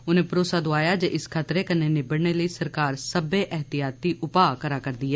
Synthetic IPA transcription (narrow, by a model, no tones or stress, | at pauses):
ʊnẽːpɾoːsaːd̪oaːjaːd͡ʒeːʔɪskʰaːt̪ɾeːkənːeːnebəɽɳeːləiːsəɾkaːɾsəbeːʔɛɦt̪ɪjaːt̪ːiːʔʊpaːkəɾaːkəɾd̪iːɦɛː